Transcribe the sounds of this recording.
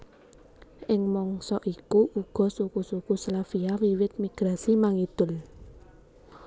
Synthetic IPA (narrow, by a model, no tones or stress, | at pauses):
ʔɪŋmɔŋsɔʔikuʔuɡ̥ɔ̤sukusukuslafiawiwɪt̪̚miɡ̥ɾasimaŋid̪̥ʊ̤l